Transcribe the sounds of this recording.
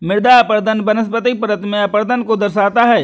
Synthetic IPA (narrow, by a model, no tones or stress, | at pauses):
mɪɾd̪aɐpəɾd̪ənbɐnəs̬pət̪ipəɾət̪mẽɐpəɾd̪ənkod̪ɐɾʃaːt̪aɦɛː